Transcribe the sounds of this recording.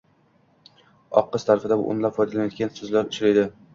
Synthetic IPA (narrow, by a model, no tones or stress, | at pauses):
ɒ̰qʰːɨst̪ʰaɾfɪd̪abʊ̰ʔʊ̰mlapfɒjd̪alanjɒt̪̚kʲansɵzlaɾʊt͡ʃɾajd̪ɪ